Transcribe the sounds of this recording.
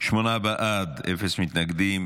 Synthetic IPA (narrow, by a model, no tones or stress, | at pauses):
ʃmonabaʔad̪ʔefesmɪt̪naɡd̪iːm